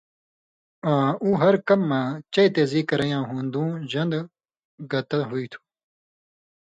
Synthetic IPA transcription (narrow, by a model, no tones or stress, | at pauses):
ãːũːɦɐɾkɐmːãːt͡ɕɐjt̪eːziːkɐɾɐjãːɦũːnd̪ũːʑɐnd̪ | ɡɐt̪ɐɦuiːt̪ʰu̥